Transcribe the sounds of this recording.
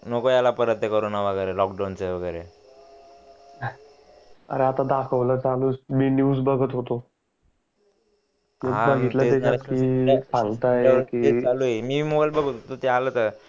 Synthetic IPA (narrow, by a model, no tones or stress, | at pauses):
nokojalapəɾət̪jəkəɾunaʋəɡəɾelɔkɖawnt͡seʋəɡəɾe | ə̰ɾeat̪ad̪akʰəʋlat͡saluːsminjusbəɡət̪ɦot̪o | əɦãbəɡʱit̪laed̪ekʰat̪kipʰaŋt̪ajekiealuemiːmobajlbəɡət̪t̪ot̪ealət̪əɾ